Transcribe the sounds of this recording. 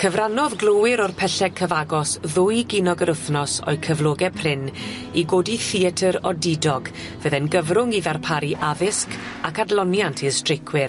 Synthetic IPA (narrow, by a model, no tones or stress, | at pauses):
kʰəvranɔðɡlˠowɪɾɔrpʰɛɬɛɡ̚kʰəvaɡɔsðʊjɡinɔɡəɾəθnɔsɔ̰jkʰəvloːɡɛpʰrɪn | iɡoːdiθiətʰəɾɔdɪdɔɡ | vəðɛnɡəvrʊŋiðarpʰaɾiʔavɪsk | akadlˠɔnjantʰistrɪkʰwɪr